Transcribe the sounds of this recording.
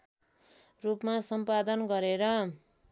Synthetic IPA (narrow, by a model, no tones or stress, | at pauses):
rupmasʌmpad̪ʌnɡʌɾeɾʌ